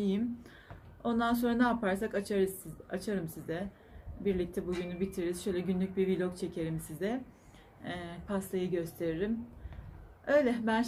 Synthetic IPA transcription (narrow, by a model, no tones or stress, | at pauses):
ijim | o̞nd̪anso̞nɾanaːpʰaɾsakat͡ʃaɾɯat͡ʃʰaɾɯmsizɛ | biɾlʲic̚t̪ʰɛbuɟynybit̪ʰiɾɾiz̥ʃø̞jlʲɛɟynlʲyc̚ʲbiɾvilʲokt͡ʃʰe̞cʰe̞ɾimsizɛː | pʰast̪ʰajɯɟø̞st̪ʰe̞ɾiɾim | ø̞jlʲɛbæn